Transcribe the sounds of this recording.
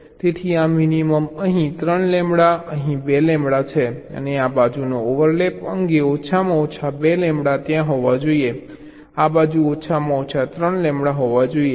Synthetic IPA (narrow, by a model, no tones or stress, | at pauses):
t̪et̪ʰiaminiməməɦĩt̪ɾəɳlɛ̃mbɽaəɦĩbelɛ̃mbɽat͡ʃʰeə̰neabad͡ʒunooʋəɾlɛpəŋɡeot͡ʃʰamãot͡ʃʰabelɛ̃mbɽat̪jãɦoʋad͡ʒoie | abad͡ʒuot͡ʃʰamãot͡ʃʰat̪ɾəɳlɛ̃mbɽaɦɔʋad͡ʒoie